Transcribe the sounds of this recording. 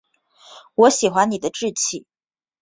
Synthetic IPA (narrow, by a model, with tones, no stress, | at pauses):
wɔ˧˥ɕi˨˩xwa˧˥ni˨˩d̪ə˦ʈ͡ʂɻ̩˥˧t͡ɕʰi˥˩˦